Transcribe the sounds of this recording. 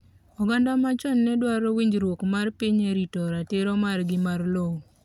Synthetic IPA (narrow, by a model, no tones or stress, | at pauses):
ɔɡandamat͡ʃɔnːɛdwaɾɔwiɲd͡ʒɾwokmarpiɲeɾitɔɾatɪɾɔmarɡɪmarlow